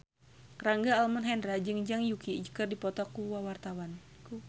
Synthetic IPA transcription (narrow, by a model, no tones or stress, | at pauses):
raŋɡaːlmɔnɦɛndɾad͡ʒɨŋd͡ʒaŋjukid͡ʒəkərdipɔt̪ɔkuwawart̪awan | ku